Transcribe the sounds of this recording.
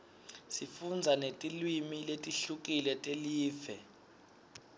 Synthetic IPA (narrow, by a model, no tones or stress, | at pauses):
sifund͡zʱanetʼilwimiletʼiɬuk̬ʼilɛtʼeliːfɛ